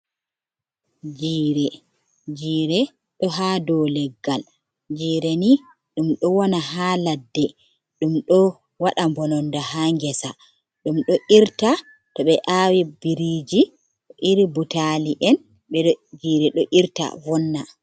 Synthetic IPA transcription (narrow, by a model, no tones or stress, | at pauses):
d͡ʒiːɾɛ | d͡ʒiːɾɛ | ɗɔɦadɔlɛɡːal | d͡ʒiːɾeni | ɗumɗɔwɔnaɦaːladːɛ | ɗumɗɔ | waɗambɔnɔndahaŋɡɛsa | ɗumɗɔʔiɾta | tɔɓɛʔaːwibiɾid͡ʒi | ɗɔʔiɾibutaliʔɛn | ɓɛɔd͡ʒiːɾɛɗɔʔiɾta̰vɔnːa